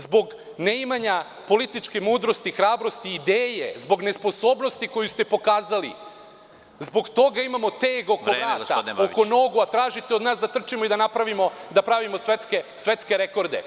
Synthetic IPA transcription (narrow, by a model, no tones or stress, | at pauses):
zbo̞ɡ | neimaɲa | po̞lit̪it͡ʃkemuːd̪ɾost̪ixɾaːbɾo̞st̪iːd̪eːjḛzbo̞ɡne̞spo̞so̞ːbno̞st̪iko̞just̪e̞po̞kaːzalḭ | zbo̞ɡt̪o̞ɡaimamo̞t̪eːɡo̞koɾaɡt̪a̰oko̞no̞ːɡuat̪ɾaːʒit̪eod̪naːsd̪at̪r̩t͡ʃimo̞id̪anapɾaʋimo̞d̪apɾaʋimo̞sʋet̪skesʋe̞t̪skeɾeko̞ɾd̪ḛ